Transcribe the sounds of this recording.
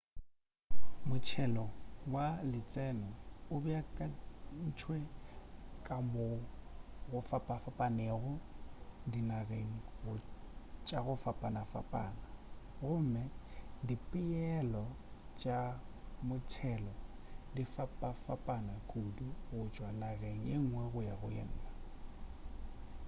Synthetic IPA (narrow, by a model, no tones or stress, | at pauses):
mʊt͡ʃʰɛlɔwalɪt͡sʼɛnɔʊbɪakʼan̩t͡ʃʰwe | kʼamʊ | ɣʊfapʼafapʼaneɣʊdinareŋ̩ɣʊt͡ʃʼaɣʊfapʼanafa̰pʼa̰ːnaɣʊm̩mɛdipʼɪɛlɔ | t͡ʃʼamʊt͡ʃtʰɛlɔdifapʼafapʼanakʼuduɣʊt͡ʃʼwanaɣeŋ̩eŋ̩ŋwɛɣʊjaɣʊjɛ̰n̩ːla